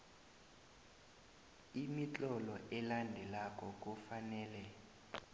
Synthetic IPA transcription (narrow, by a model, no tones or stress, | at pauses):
imit͡ɬʼɔlɔʔɛlandʱɛlakʼɔk̬ʼufanɛːlɛ